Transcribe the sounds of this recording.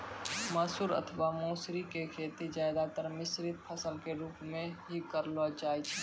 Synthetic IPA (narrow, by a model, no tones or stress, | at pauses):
məsuːɾə̰t̪ʰʋamoːsɾikekʰeːt̪id͡ʒajd̪at̪əɾmɪsɾɪt̪̚pʰəsəlkeɾuːpmẽɦikəɾlɔd͡ʒaːjt͡ʃʰɛ